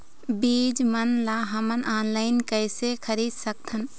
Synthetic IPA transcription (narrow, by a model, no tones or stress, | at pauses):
biːd͡ʒmənlaɦəmənʔaːnlaːɪnkəɪsekʰəɾiːd̪sək̚t̪ʰən